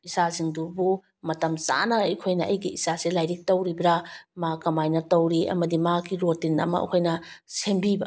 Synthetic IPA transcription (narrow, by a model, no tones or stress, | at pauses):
isaziŋdubu | mɐtɐmsa̰nɐɐjkʰojnɐʔɐjɡiisaselajɾik̚tɐwɾibɾamakɐmajnɐtɐwɾiʔɐ̰mɐdimakiɾotinɐ̰mɐ̰ɐ̰kʰojnɐsembibɐ